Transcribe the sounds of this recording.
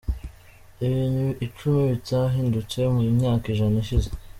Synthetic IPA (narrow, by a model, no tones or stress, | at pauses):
iβiːnhuʔit͡ʃumiβitaɦiːndut͡se̞muɾimɲaːkiʒanaiʃize